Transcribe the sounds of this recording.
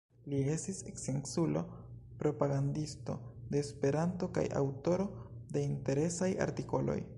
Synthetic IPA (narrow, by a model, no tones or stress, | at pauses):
lie̞stiseksensulo̞̰pɾo̞paɡandisto̞̰d̪e̞ːspe̞ɾanto̞ka̰ja̰wto̞ɾo̞de̞inte̞ɾe̞saja̰ɾtiko̞lo̞̰j